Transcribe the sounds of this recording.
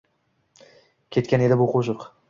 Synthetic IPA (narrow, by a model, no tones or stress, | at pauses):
kʲʰe̞t̪kʲane̞d̪ɪbʊqʰoʃɨq